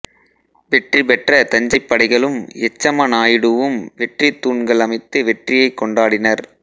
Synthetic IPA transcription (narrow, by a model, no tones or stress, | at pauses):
ʋɛʈripɛʈrɐt̪ɐɲd͡ʒɐɪpːɐɽɐɪɣɐɭɯmɛt͡ʃːɐmɐnaːjɪɽɯʋɯmʋɛʈrit̪ːuːɳɡɐɭɐmɐɪt̪ːɯʋɛʈrɪjɐɪkːɔɳɖaːɽɪnɐɾ